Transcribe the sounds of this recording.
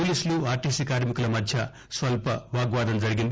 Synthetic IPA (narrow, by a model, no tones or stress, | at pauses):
ulisluaːʈisikaːɾmikulɐmɐd̪ʰʱja | sʋɐlpɐʋaːɡʋaːd̪ɐnd͡zɐɾiɡind̪